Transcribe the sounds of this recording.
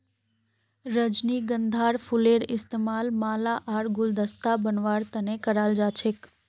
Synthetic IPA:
ɾəd͡ʒniɡə̃nd̪ʱaːɾfʰuleɽɪst̪emaːlmaːlaʔaːɾɡʊld̪əst̪abənʋaːɾt̪ənekəɾaːld͡ʒaːt͡ʃʰek

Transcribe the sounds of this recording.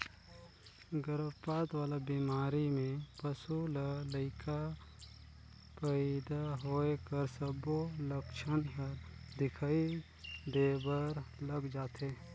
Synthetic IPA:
ɡəɾəʋpaːt̪waːlabimaːɾimẽpəsulələɪkʰa | pɛːd̪aɦoːekəɾsəboləkʃənɦəɾd̪ɪkʰaːi | d̪eːbəɾləɡd͡ʒaːt̪eː

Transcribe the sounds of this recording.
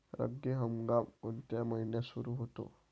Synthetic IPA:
ɾə̰ɡːiɦəmɡamunt̪ɛməjnesuɾuɦot̪o̰

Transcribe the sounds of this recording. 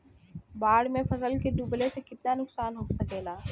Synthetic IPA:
baːɽmẽfɐsəlkeɖublesekɪt̪̚nanʊksaːnɦoksɐkeːlaː

